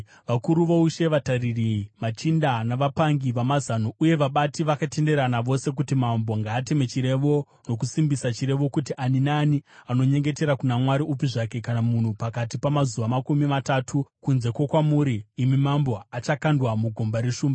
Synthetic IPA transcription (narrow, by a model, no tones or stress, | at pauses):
ʋakuɾuʋo̞uʃe̞ʋataririmat͡ʃindanaʋapaŋɡiʋamazanoʔuje̞ʋaɓatiʋakate̞nde̞ɾanaʋo̞se̞k̬utimambo̞ŋɡaːte̞me̞t͡ʃiɾe̞ʋo̞ | no̞kusimbisat͡ʃiɾe̞ʋo̞kutiʔaninaːniano̞ɲe̞ŋɡe̞te̞ɾakunamwaɾiupiʐake̞kanamun̤upakatipamazuʋamakumimatatʰukunze̞kwakwamuːɾiːmimambo̞at͡ʃakandwamuɡʱombaɾe̞ʃuːmba